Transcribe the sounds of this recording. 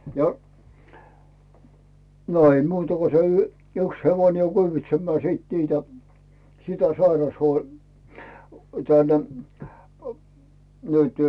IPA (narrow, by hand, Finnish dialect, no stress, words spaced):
jɑ no ei muːtɑ ko se y yks heʋoĭne kyːʋitsemːæː siˑt niːtæ sitæ sɑirɑshuo tæn ə nytẙ